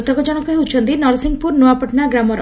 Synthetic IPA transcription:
t̪ɔkɔd͡ʒɔɽ̃ɔkuɦeut͡ʃʰɔnt̪inɔɾsiŋɡpuɾnuapɔʈnaɡɾamɔɾɔ

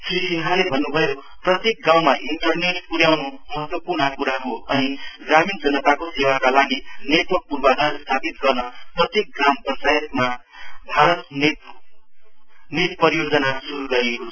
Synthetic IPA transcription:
srisiŋɦʰalebʱʌnːubʱʌjo | prʌt̪jek̚ɡaw̃maʔiɳʈʌrneʈpuɾjawnomʌɦʌt̪wʌpurnʌkuɾaɦoʌniɡɾamind͡zʌnʌt̪akosewakalaɡinet̪wʌk̚purbanʌst̪ʰapit̪̚ɡʌrnʌprʌt̪jek̚ɡrambʱʌnsajʌt̪ma | bʱaɾʌt̪n | nit̪̚pʌɾijod͡zʌnasuɾuɡʌɾiekot͡sʰʌ

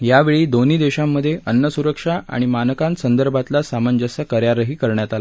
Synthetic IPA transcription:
jaʋeɭiːd̪oniːd̪eɕamːəd̪ʱːjeʔənːəsuɾəkʂaʔa̰ɽ̃imanəkãnsənd̪əɾbʱat̪lasamənd͡ʑəsəkəɾjaɾəɦiːkəɾɳjat̪ala

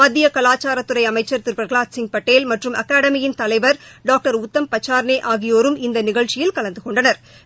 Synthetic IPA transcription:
ɐd̪ɪjɐkɐlaːt͡ʃːaːɾɐt̪ːɯɾɐɪɐmɐɪt͡ʃːɐɾt̪ɪɾbɐɾɐɭaːtsɪŋpɐʈːeːlmɐʈrɯmɐ̰kaːɽɐmɪjɪnt̪ɐlɐɪʋɐɾɖaːk̚ʈɐɾʊt̪ːɐmpɐt͡ʃːaːɾneːʔaːɣɪjoːɾɯmɪnd̪ɐnɪɣɐɭt͡ʃɪjɪlkɐlɐnd̪ɯkɔɳɖɐnɐɾ

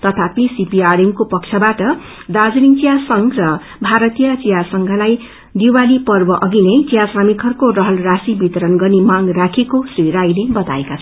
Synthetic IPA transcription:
t̪ʌt̪ʰapisipiaɾiŋkopʌk̚t͡ʃʰʌbaʈʌ | d̪ad͡zniŋt͡sijasʌŋrʌ | bʱaɾʌt̪ijʌt͡sijasʌŋɡʱʌlaj | d̪iwalipʌrbʌʔʌɡinʌjt͡sijaswamikʰʌrkorʌɦʌlrasibit̪ʌɾʌnɡʌrnimãŋrakʰekosriɾajlebʌt̪aekat͡sʰʌ

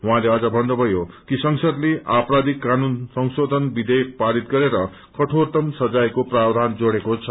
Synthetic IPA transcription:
ɦuãleʌd͡zʌbʱʌndobʱʌjokisʌŋsʌd̪leʔaprad̪ikːanunsʌŋsod̪ʱʌnbid̪ek̚paɾit̪̚ɡʌɾeɾʌ | kʌʈʰort̪ʌmsʌd͡zajkoprard̪ʱand͡zoɽekot͡sʰʌ

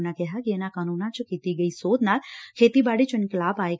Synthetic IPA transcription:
nakɛɦakienakaːnuːnãt͡ʃokit̪iɡəisoːd̪ʱnakʰeːt̪ibaːɽit͡ʃənikəlaːbaːek

